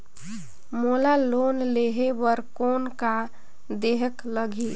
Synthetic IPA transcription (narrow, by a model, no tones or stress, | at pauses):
molalonleɦeʋəɾkonka | d̪eɦəkləɡʱi